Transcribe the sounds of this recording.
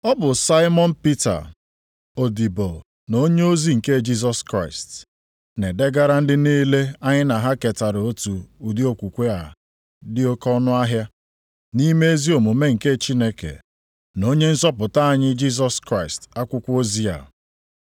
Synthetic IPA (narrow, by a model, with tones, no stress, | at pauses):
ɔ˦bʊ˨sa˦ɪ˦mɔ˦n̩˦pi˦ta̰˨ | o˨di˨bo˨l | no˦ɲe˦o˦zi˦ŋ̩˨ke˦d͡ʒi˦s̬ɔ˦skɾa˦˨ɪ˨st | ne˨de˦ɡa˦ɾa˦n̩˦dɪ˦niː˦le˦a˦ɲɪ˦na˨ɦa˦ke˨ta˨ɾo˨o˦tu˨u˨di˦o˦kʷu˨kʷe˦a˨ | dɪ˦o˦kɔ˦nʊ˦a˦ɦja˦ | ni˦me˦e˦zi˦o˨mu˨me˦ŋ̩˨ke˦t͡ʃi˦ne˦kḛ˨ | no˦ɲe˦n̩˦sɔ˦pʊ˨ta˦a˦˨ɲɪ˦d͡ʒi˦s̬ɔ˦˨skɾa˦ɪ˨sta˦kʷʊ˦kʷo˦zi˦a̰˨